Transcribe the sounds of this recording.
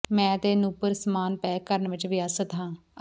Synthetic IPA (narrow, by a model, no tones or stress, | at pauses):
mɛ̃ːt̪eːnuːpəɾsəmaːnpɛːkəɾənʋɪt͡ʃʋɪjaːsət̪ɦãː